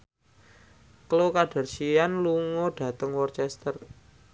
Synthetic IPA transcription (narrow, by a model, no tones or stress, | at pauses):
klokaɖ̥a̤rʃijanluŋɔɖ̥ä̤t̪əŋwɔrt͡ʃɛst̪ər